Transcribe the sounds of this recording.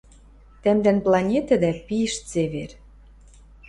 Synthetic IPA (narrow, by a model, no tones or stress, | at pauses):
t̪æmd̪ænplˠɑnʲet̪ɘ̆d̪æpiʃt͡seβer